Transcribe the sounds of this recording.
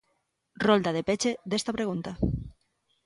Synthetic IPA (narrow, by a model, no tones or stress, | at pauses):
rold̪að̞epet͡ʃeðest̪apɾeɣ̞unt̪a